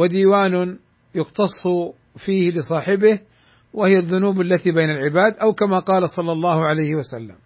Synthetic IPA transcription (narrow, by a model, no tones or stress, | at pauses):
wad̪iːwaːnʊ | jʊqt̪ɑsˤː | fiːhlɪsˤɑːħɪbɪh | wɪhɪjaðːʊnuːbalːat̪ibaːnalʕɪbaːd̪ʔawkamaqɑːlasˤɑlːɑlˤːɑːhʕalajhɪwasalːa̰m